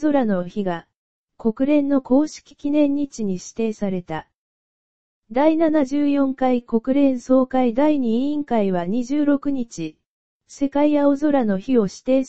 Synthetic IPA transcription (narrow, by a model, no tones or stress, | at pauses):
zo̞ɾano̞çiɡa | ko̞kɯ̟ɾẽ̞nːo̞ko̞ːɕi̥kʲi̥kʲinẽ̞ɲ̟ːit͡ɕiɲ̟iɕi̥t̪e̞ːsaɾe̞t̪a | d̪ainanaʑɨːjõ̞ŋkaiko̞kɯ̟ɾẽ̞ɰ̃so̞ːkaid̪aiɲ̟iĩŋkaiβaɲ̟iʑɨːɾo̞kɯ̟ɲ̟it͡ɕi | se̞kaiao̞zo̞ɾano̞çio̞ɕi̥t̪e̞ː